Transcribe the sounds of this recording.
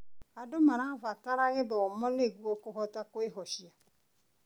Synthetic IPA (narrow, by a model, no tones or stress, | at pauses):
adʊmaɾavakaɾaɣɪdɔɔmɔleɡuokoɦɔtakoeɦɔʃia